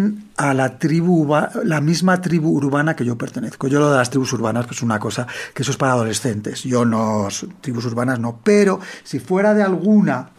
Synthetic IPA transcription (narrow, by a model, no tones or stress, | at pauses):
nalat̪ɾiβuɾβalamizmat̪ɾiβuːɾβanake̞ʝo̞pe̞ɾt̪ene̞θko̞ʝo̞lo̞ð̞e̞last̪ɾiβusuɾβ̞anaspsesunako̞sakesoe̞spaɾaːð̞o̞le̞sθe̞nt̪e̞szɟ͡ʝo̞nost̪ɾiβusuɾβanazno̞pe̞ɾo̞sifwe̞ɾaðealɣ̞una